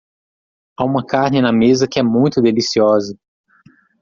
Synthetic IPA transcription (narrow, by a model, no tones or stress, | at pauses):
aũmɐkaɾnɪnɐmezɐkɪɛmũj̃t̪ʊd̪elisiɔzɐ